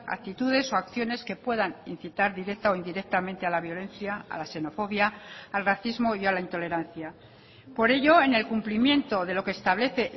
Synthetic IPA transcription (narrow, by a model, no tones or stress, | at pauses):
a̰k̚t̪it̪uð̞e̞so̞akθjo̞ne̞ske̞pwe̞ðanin̟θit̪aɾðiɾe̞k̚t̪aoind̪iɾe̞k̚t̪amẽ̞nt̪ealaβjo̞lẽ̞nθjaa̰lase̞no̞fo̞βjaːlraθizmo̞ialaint̪o̞le̞ɾan̟θja | po̞ɾe̞ʝo̞ene̞lkumplimje̞nt̪o̞ðe̞lo̞keːst̪aβle̞θe̞